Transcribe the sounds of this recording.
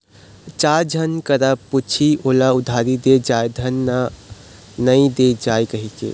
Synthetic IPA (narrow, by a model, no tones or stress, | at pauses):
t͡ʃaɾd͡ʒʱənkəɾaput͡ʃʰiʔoːlaʊd̪ʱaɾid̪ed͡ʒaed̪ʱənːa | nəĩd̪ed͡ʒaekəɦikḛ